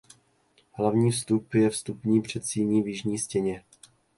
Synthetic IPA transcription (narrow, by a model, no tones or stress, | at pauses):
ɦlavɲiːfst̪upjɛfst̪upɲiːpr̝̥ɛt̪siːɲiːvjɪʒɲiːscɛɲɛ